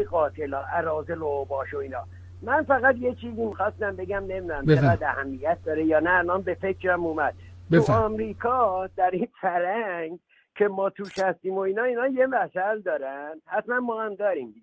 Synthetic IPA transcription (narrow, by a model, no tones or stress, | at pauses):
ɣɒːt̪ʰe̞lɒːʔæɾɒːzelobɒːʃoiːnɒː | mænfæɣæt̪je̞t͡ʃʰiːzimixɒːst̪æmbe̞ɡæmne̞mid̪uæmt͡ʃʰeɡæd̪æhæmːijæt̪̚d̪ɒːɾejɒːnæːlʔɒnbe̞fekʰɾæmuːmæd̪̥̚tuɒmɾiːkʰɒd̪æɾinfæɾæŋɡ | kʰe̞mɒːt̪ʰuːʃhæst̪iːmo̞iːnɒːiːnɒːje̞mæsæld̪ɒːɾænd̪̥hæt̪mænmɒːhæmd̪ɒːɾimd̪i